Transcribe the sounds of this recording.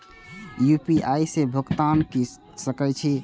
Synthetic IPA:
jupiajsẽbʱəɡt̪anki | səkɛt͡ʃʰi

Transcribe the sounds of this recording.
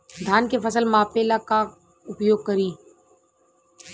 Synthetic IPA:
d̪ʱaːnkefəsəlmaːpeːlaka | ʊpjoːɡ̚kəɾiː

